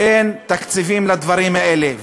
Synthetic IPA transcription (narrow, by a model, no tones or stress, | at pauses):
ent̪akt͡sivimlad̪vaʁimaʔelev